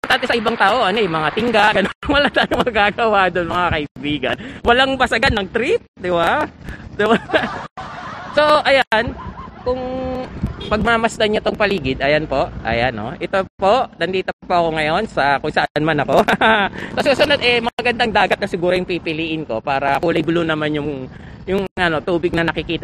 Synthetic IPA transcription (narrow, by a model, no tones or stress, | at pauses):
ɐt̪ʔant̪ɛsɐʔɪbaŋt̪aːʔo̞ʔɐnojʊmɐŋat̪ɪŋɡaʔɡɐnoŋwɐlat̪aːjoŋmɐɡaɡɐwad̪onmɐŋakɐʔɪbiːɡɐ̰nwɐlaŋbɐsɐɡanːɐɡ̚t̪ɾit̪̚d̪ɪbad̪ɪba | so̞ʔɐjankʊŋ | pɐɡ̚mɐmɐsd̪ɐɲat̪oŋpɐliːɡɪd̪ɐjanpo̞ʔʔɐ̰jano̞̰ʔɛt̪o̞po̞ʔd̪ɐnd̪iːt̪opoʔɐko̞ŋɐjo̞nsɐkʊŋsɐʔnmanɐko̞ | kɐsuːsʊnod̪ʔɛmɐɡɐnd̪aŋd̪aːɡɐt̪nɐsɪɡuːɾojʊŋpipɪliʔɪnko̞̰paːɾɐkuːlɐjbʊlʊnɐmanjʊŋ | jʊŋʔɐno̞t̪uːbɪɡ̚nɐnɐkɪkiːt̪